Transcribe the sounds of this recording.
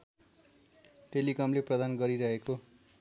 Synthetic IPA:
ʈelikʌmleprʌd̪anɡʌɾiɾʌɦeko

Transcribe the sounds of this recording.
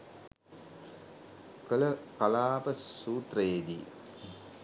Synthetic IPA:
kələkalaːpəsuːt̪rəjed̪ḭ

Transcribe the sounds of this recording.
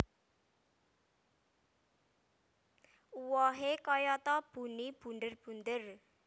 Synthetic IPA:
uwɔɦekɔjɔt̪ɔb̥ṳnib̥ṳnd̪ərb̥ṳnd̪ər

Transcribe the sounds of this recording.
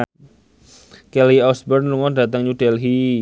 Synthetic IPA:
kɛliɔsbərnluŋɔndat̪əŋɲudɛlɦi

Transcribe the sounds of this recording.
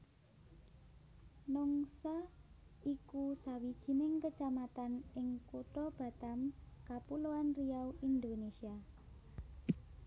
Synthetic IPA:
nɔŋsa | ikusawid̥ʒ̥i̤nɪŋkət͡ʃamat̪anɪŋkuʈ̪ɔb̥a̤t̪amkapuloanrijawʔind̪onesia

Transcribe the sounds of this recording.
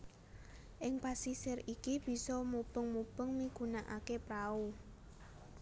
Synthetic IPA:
ʔɪŋpasisɪrikib̥i̤sɔmub̥əŋmub̥əŋmiɡ̥unaʔa̰kepɾau

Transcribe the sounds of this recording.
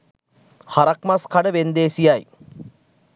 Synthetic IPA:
haɾɐkmaskaɖəʋend̪eːsijaj

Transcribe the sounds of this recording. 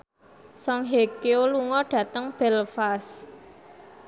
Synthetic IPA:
sɔŋɦekeoluŋɔɖ̥ä̤t̪əŋb̥ɛ̤lfas

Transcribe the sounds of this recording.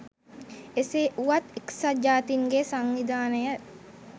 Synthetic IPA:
eseʔuʋat̪eksad͡ʒaːt̪iŋɡesaŋʋid̪ʱaːnəjə

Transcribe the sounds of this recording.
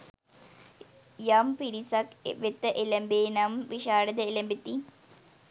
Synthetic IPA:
jaːmpiɾisakʋet̪ːɐʔelɐmbeːnamʋiɕaːɾɐd̪ɐilɐmbit̪ːi

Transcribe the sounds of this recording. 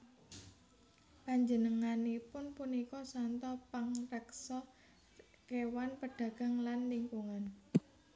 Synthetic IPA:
paɲd͡ʒənəŋanipʊnpunikɔsant̪ɔpaŋrɛksɔ | kewanpəɖ̥ä̤ɡ̥a̤ŋlanliŋkuŋan

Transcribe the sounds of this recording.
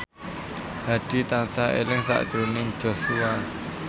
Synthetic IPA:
haɖ̥i̤t̪ansaʔḛlɪŋsa̰ʔt̪ɾunɪŋ̥d͡ʒɔsua

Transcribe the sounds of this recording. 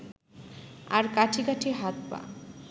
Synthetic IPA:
aɾkaʈʰikaʈʰiɦat̪pa̰

